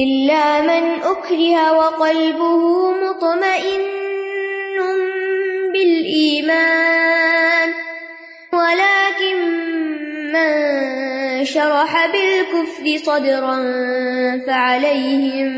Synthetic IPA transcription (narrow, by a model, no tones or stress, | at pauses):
ʔɪlːaːmɪnʔʊkɾɪhawɑqɑlbʊhʊmʊt̪ˤmaʔɪnː | ʊmbɪlʔiːmaː | n | walaːkɪn | man | ʃɑɾˤɑħabɪlkʊfɾɪsˤɑd̪ɾɑn | faʕalajhɪm